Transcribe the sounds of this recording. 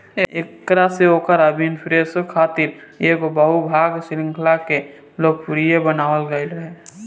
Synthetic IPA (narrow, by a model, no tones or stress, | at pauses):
eektɾaseoːkəɾəbinpʰɾesəkʰaːt̪iɾjeɡobəɦubʱaːɡsɪɾɪ̃ŋkʰlake | loːɡ̚puɾijebənaːwəlɡəɪlɾəɦe